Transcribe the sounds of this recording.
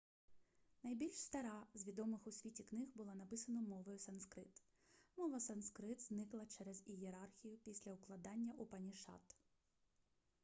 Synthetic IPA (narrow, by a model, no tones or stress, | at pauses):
nɐjbʲilʲʃst̪ɐɾɑzʲʋʲid̪ɔmɪxʊsʲʋʲitʲiknɪɦbʊlˠɔnɐpɪsɐnɔmɔʋɔjʊsɐnskɾɪt̪ | mɔʋɐsɐnskɾɪt̪znɪklˠɐt͡ʃɛɾɛzijeɾɑrxʲijʊpʲisʲlʲɐʊklˠɐd̪ɑnʲːɐʔupɐnʲiʃɑ̰t̪